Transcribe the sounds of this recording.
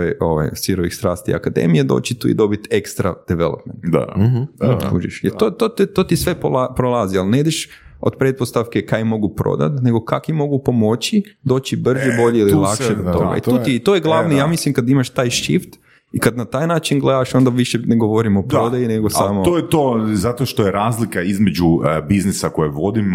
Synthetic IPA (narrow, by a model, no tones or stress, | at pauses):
ejo̞̰ʋa̰jsʋiɾoʋḭxst̪ɾa̰ːst̪ḭa̰kad̪ḛmijed̪o̰t͡ɕit̪ṵḭd̪o̞bit̪e̞kst̪ɾa̰d̪̥eʋḛlo̰pment̪d̪a̰ | ṵːʒḭʃjeɾt̪ot̪ot̪t̪ot̪isʋe̞polapɾolˠazialneid̪eʃ | od̪pɾet̪̚post̪afke̞kajmo̞ɡupɾo̰d̪a̰t̪ne̞ɡo̞kakʋimo̞ɡupo̞mo̞t͡ɕid̪o̞ːt͡ʃibr̩ʒebo̞ʎeililˠakʃed̪ot̪o̞̰ɡa̰ḭt̪uːt̪it̪ojeɡlˠaʋnijaːmislimkad̪imaʃt̪aːjʃḭft̪ | ikad̪nat̪aːjnaːt͡ʃinɡled̪aʃo̞nd̪aʋiʃeneɡo̞ʋo̞ɾimop̪ɾod̪ajineɡosamoojet̪ozat̪oʃt̪ojeɾaːzlikaizmed͡ʒubiznisakojeʋo̞d̪im